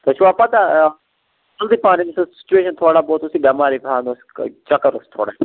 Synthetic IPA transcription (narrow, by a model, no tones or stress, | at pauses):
t̪oʃʰuʋaːpat̪a | ɐld̪ipaːninisɐsi̥t͡ʃueːʃɐnt̪ʰoːɽaboːt̪osiɡɐmaːɾipaːnost͡ʃɐkɐɾost̪ʰo̰ːɽa